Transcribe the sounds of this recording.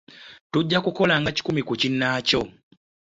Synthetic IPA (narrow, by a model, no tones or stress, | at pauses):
tuɟːakuko̞laŋɡaci̥kumikucinːaco̞